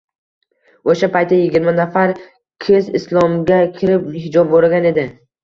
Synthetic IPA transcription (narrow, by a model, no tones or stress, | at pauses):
oʃapʰajt̪ʰːajɪɡʲɪɾmanafaɾ | kʲʰezɪslˠɒmɡʲakʲʰɪɾɪpmɪɦɪd͡ʒɒb̚boɾɡʲane̞d̪ɪ